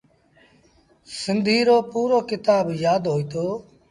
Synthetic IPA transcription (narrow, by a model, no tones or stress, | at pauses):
sɪnd̪ʱiːɾoːpuːɾoːkɪt̪aːbjaːd̪ɦoːiːt̪oː